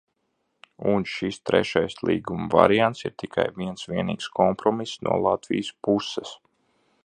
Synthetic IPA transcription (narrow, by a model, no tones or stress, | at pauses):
unʃist̪ɾɛ̰ʃajslˠḭːɡumva̰ɾijant̪siɾt̪ikʰa̰jviɛnsʋiɛnḭːkskʰɔmpɾɔmisnṵɔlˠat̪vḭjəspusɛs